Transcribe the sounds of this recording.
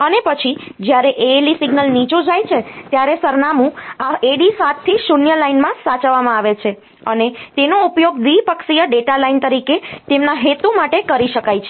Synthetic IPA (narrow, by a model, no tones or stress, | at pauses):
ənepət͡ʃʰid͡ʒjaɾeʔeelisiɡnəlnit͡ʃũd͡ʒajt͡ʃʰet̪jaɾesəɾnamũaeɽisat̪ʰːisunjəlainmãsat͡ʃəʋːamãaʋet͡ʃʰe | ənet̪enoupjoɡd̪ʋipəksijəɖeʈalaint̪əɾiket̪emnaɦet̪umaʈekəɾiʃəkajt͡ʃʰe